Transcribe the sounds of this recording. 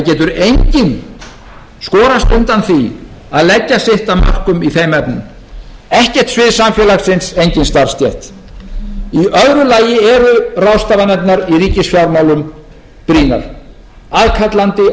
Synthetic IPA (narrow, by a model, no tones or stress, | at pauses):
θacɛːt̪ʏɾejɲcɪn | skɔːɾast̪ʏnt̪anθi | aðlɛcːasɪht̪ama̰r̥kʏmiθejmɛpnɪm | ɛhcɛ̥t̪svɪðsamfjɛːlaxsɪnsejɲcɪnst̪aɾst̪jɛht̪ | iʔœðɾʏlaːjɪɛɾʏrawst̪aːvanɛp̪naɾiriːcɪsfjawɾmaːwlʏm | pɾiːna̰ɾ̥ | aðkʰat̪lant̪ɪ